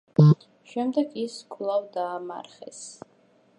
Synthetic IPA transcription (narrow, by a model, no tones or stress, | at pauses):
ʃɛmd̪ɛɡiskʼlˠavd̪aːma̰ɾχɛ̰s